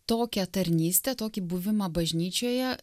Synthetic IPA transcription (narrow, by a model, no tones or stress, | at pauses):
t̪oːkʲɛt̪ɐɾʲnʲiːsʲt̪ʲɛt̪oːkʲiːbuʋʲɪmɐbɐʒʲnʲiːt͡ʃʲoːjɛ